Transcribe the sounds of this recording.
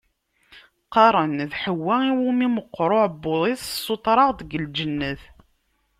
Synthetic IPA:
qɑɾˤənðħəwːæiwumiməqːɾˤoʕbːʊðˤissˤːot̪ˤɾˤɑʁðəɡəld͡ʒənːəθ

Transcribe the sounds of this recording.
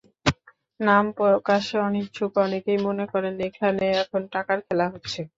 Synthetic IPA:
nampokaʃeɔnek̚d͡ʑʰʱukɔnekejmonekɔɾenekʰaneɛkʰonʈakaɾkʰelaɦotːɕʰe

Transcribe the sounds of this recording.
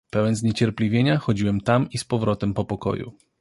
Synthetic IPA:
pɛwɛnzɲet͡ɕɛɾplʲivʲjeɲaxɔd͡ʑiwɛmt̪amispɔvɾɔt̪ɛmpɔpɔkɔ̰jṵ

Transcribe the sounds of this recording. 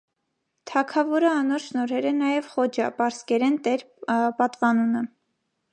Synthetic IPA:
t̪ʰɑkʰɑvɔɾəɑnɔɾʃnɔɾɛɾənɑjɛvχɔd͡ʒɑpɑɾskɛɾɛnt̪ɛɾ | pɑt̪vɑnunə

